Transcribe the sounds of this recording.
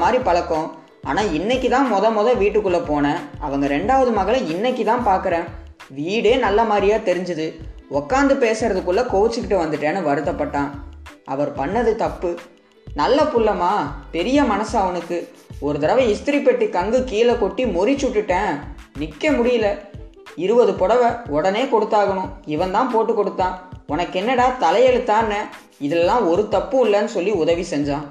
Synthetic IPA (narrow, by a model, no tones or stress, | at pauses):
maːd̪ɾipɐlɐkːõː | a̰ːnaːɪnːɛkːɯt̪ãːmɔðɐmɔðɐ̃ʋiːʈːɯkːɯɭːɐpoːnɐɐʋɐŋɡɐɾɛɳɖaːʋɐðɯmɐɣɐɭɐɪnːɐk̬ːit̪ãːpaːɾkɯɾẽː | ʋiːɽeːnɐlːɐmaːd̪ɾɪjaːt̪ɛɾɪɲd͡ʒɐðɯɔkːaːnd̪ɯpeːsɐɾɐðɯkːʊɭːɐkoːʋɐt͡ʃːɯkːɪʈːɯʋɐnd̪ɯʈːẽːnːɯʋɐɾɯt̪ːɐpːɐʈːãːɐʋɐɾpɐɳːɐðɯt̪ɐpːɯ | nɐlːɐpʊlːɐmaːpɛɾɪjɐmɐnɐsaʋɐnɯkːɯ | ɔɾɯt̪ɐɾɐʋɐɪst̪ɪɾipːɐʈːikɐŋɡɯkiːlɐkɔʈːimɔɾɪt͡ʃːʊʈːɯʈːẽːnɪkːɐmʊɽɪjɪlɐ | ɪɾɯʋɐðɯpɔɽɐʋɐɔɽɐneːkɔɽɯt̪ːaːɣɐnʊ̃ɪʋɐ̃nt̪ãːpoːʈːɯkːɔɽɯt̪ːãːɔnɐkːɛnːɛɽaːt̪ɐlɐjɐlɯt̪ːaːnɛ | ɪðɐlɛlːãːɔɾɯt̪ɐpːɯɪlːɐnɯsɔlːiʊðɐʋisɛɲd͡ʒãː